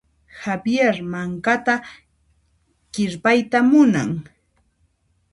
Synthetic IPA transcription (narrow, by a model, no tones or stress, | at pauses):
habjeɾmaŋkat̪a | ɢɪɾpajt̪amʊna̰ŋ